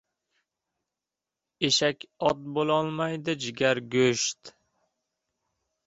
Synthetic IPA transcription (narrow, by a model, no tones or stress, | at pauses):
eʃakʲɒt̪̚bolˠɒlˠmajd̪ɪd͡ʒɪɡʲaɾɡʲɵʃt̪